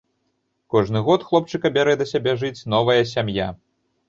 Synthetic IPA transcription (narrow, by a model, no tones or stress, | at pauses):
kɔʐnɨɣɔt̪xlˠɔp̚t͡ʂɨkɐbʲɛɾɛd̪ɐsʲabʲɛʐɨt͡sʲnɔvɐjɐs̬ʲamja